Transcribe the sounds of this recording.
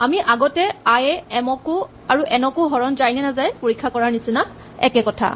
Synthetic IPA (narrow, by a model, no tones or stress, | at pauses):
amiʔaɡɔtɛajɛɛmɔkʊ | aɹuʔɛnɔkʊɦɔɹɔnzajnɛnazajpoɹikʰːakɔɹaɹnisina | ɛ̰kɛkɔtʰa̰